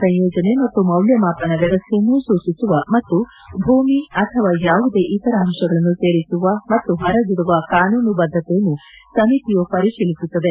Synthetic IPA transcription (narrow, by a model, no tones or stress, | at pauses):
sɐ̃jjɔːd͡ʒɐne̞mɐt̪ːumɐwljɐmaːpɐnɐɡɐɾɐsimuːsuːsisuʋɐmɐt̪ːu | bʱuːmiɐt̪ʰɐʋaːjaːʋud̪e̞ʔit̪ɐɾɐɦɐmʃɐɡɐɭɐnːuse̞ːɾisuʋɐmɐt̪ːuɦɐɾɐd͡ʒuɽuʋɐkaːnuːnubɐd̪ʱːɐt̪ɛjɐnːusɐmit̪ijopɐɾiʃilisut̪ːɐd̪e̞